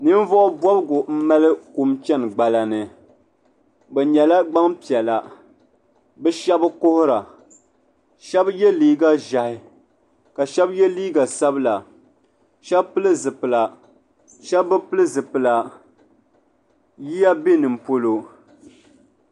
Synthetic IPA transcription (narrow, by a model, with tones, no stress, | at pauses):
nɨ˦n˦vɔ˦ʔʊ˦bɔ˦bɨ˦ɡʊ˨m̩˦ma˦lɨ˦ku˨mt͡ʃɛ˦n˨ɡ͡ba˨la˨nɨ˨ | bɛ˨ɲɛ˨la˦ɡ͡ba˦ŋpi˨ɛ˨la˨ | bɛ˦ʃɛ˦bɨ˦ko˦hʊ˦ɾa˨ | ʃɛ˦bjɛ˦liː˦ɡa˦ʒa˨hɪ˦ | ka˨ʃɛ˦bjɛ˦liː˦ɡa˨sa˦bɨ˦la˨ | ʃɛ˦bpɨ˦lɨ˦zɨ˨pɨ˨la˨ | ʃɛ˦bbɨ˦pɨ˦lɨ˦zɨ˨pɨ˨la˨ | ji˦ja˦bi˦nɨ˨m̩˨po˦lo˨